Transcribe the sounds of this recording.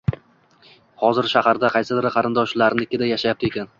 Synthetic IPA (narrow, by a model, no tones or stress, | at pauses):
hɒzɪɾʃahaɾd̪aqʰɑjsɪd̪ɪɾɪqʰɑɾɪnd̪ɒʃlaɾnɪɪkʲːɪd̪ajaʃajap̚t̪e̞kʲan